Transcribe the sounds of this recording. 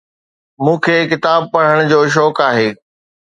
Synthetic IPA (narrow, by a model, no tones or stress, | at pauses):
mũːkʰeːkɪt̪aːb̚pɐɽ̤əɽ̃d͡ʑoːʃ̬ɔːkaːɦeː